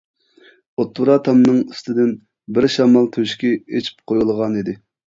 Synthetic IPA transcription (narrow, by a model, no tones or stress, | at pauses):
ot̪ːuɾɑt̪ʰɑmnɨŋist̪ɪd̪ɪn | bɪɾʃɑmɑlˠt̪ʰøʃkʲɛet͡ʃʰi̥p̚qʰojulˠʁɑnid̪ɪ